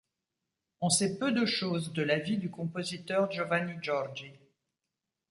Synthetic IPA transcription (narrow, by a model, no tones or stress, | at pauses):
ɔ̃sɛpød̪əʃozd̪əlavid̪ykɔ̃pozit̪œʁʒɔvaniʒɔʁd͡ʒi